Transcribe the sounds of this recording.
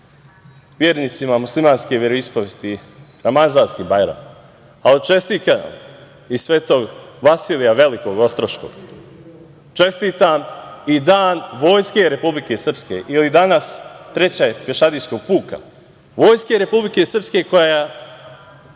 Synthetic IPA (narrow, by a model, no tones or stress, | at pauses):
ʋjeːɾniːt̪simamuslimaːnske̞ʋʲjeɾoispoʋjest̪iɾamazaːnskibajɾa̰m | aot͡ʃe̞st̪ikana̰m | isʋeːt̪o̞ɡʋasiːlijaʋe̞liko̞ɡo̞st̪ɾoʃko̰ɡ̥ | t͡ʃe̞st̪iːt̪amid̪aːnʋo̞ːjske̞ɾe̞publike̞sr̩pske̞̰ʔilid̪anast̪ɾe̞t͡ɕapeʃad̪isko̞ɡ̚puːka̰ | ʋo̞ːjskeɾe̞publike̞srpske̞ko̞jaja